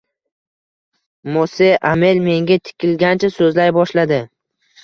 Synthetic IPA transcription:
moseʔamelme̞ŋɡʲat̪ʰɪ̥kʲɪlɡʲant͡ʃʰasɵzlajbɒʃlad̪ɪ

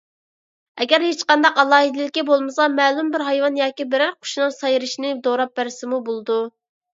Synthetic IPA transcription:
ɛɡʲæɾhet͡ʃqɑnd̪ɑqɑlˠɑːɦɨd̪lɪkʲːibolˠmɨsɑmɛːlˠumbɪɾɦɑjwɑnjɑːkʲibɪɾæɾqʰʊ̥ʃnɨŋsɑjɾɨʃinɪd̪oɾɑp̚bæɾɪsɪmubolˠɨd̪u

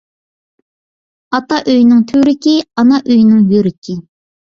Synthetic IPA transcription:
ɑt̪ɑʔøjnɪŋt̪ʰøɾɪkʲiɑnɑʔøjnɪŋjøɾɪkʲʰi

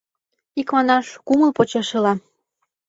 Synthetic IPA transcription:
ikmɑnɑʃkuməlpot͡ɕɑʃɤ̆lɑ

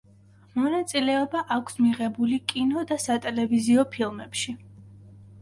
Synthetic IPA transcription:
mɔnat̪sʼilɛɔbaʔakʷʰsmiʁɛbulikʼinɔd̪asat̪ʼɛlɛviziɔpʰilˠmɛpʃi

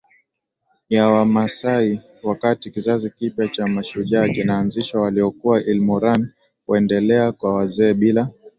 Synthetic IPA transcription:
jawamasaiwakatikizazikipjat͡ʃamaʃuʄakinaːnziʃwawaliɔkuwaʔilmɔɾan | wɛndɛlɛakwawazɛːɓila

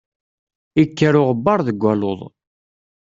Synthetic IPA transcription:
ikːəɾʊʁəbːɑɾˤðəɡʷːæloðˤ

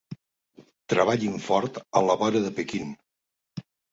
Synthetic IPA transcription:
t̪ɾəβ̞aʎiɱfɔɾt̪ə̰ləβɔɾəðəpəkin

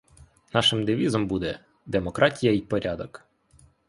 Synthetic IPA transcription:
nɑʃɪmd̪ɪʋʲizɔmbud̪ɛ | d̪emɔkɾʔɑtʲijɐipɔɾʲɑd̪ɔk

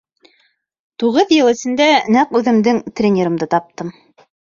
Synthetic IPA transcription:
t̪uʁɤðjɤ̆lˠɘ̆sɘ̆nd̪ænæqʉðɘ̆md̪ɘŋt̪rʲenʲeɾɤ̆md̪ɤt̪ɑp̚t̪ɤm

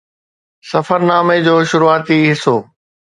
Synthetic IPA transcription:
sɐfəɾnaːmed͡ʑoːʃʊɾuaːt̪iɦɪsoː

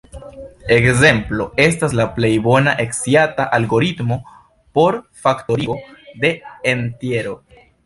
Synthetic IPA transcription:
e̞kze̞mplo̞e̞staslaple̞jbo̞naʔe̞ksiataʔalɡo̞ɾitmo̞ | po̞ɾfakto̞ɾiode̞ːntje̞ɾo̞

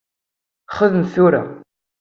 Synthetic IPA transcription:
χəðəmθuɾa̰

